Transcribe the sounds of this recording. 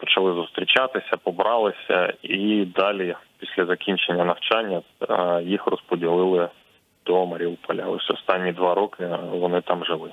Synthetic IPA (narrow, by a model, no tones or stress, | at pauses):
pɔ̥t͡ʃɐlˠɪzʊst̪ɾʲit͡ʃɑt̪ɪsʲɐpɔbɾɑlˠɪsʲɐ̰id̪ɑlʲipʲisʲlʲɐzɐkʲinʲt͡ʃenʲːɐnɐwt͡ʃɑnʲːɐ | jixrɔspɔdʲilˠɪlˠɪ | d̪̥ɔmɐɾʲiupɔlʲɐɔsʲɔst̪ɑnʲːid̪ʋɑɾɔkɪʋɔnɪt̪ɑmʒɪlˠɪ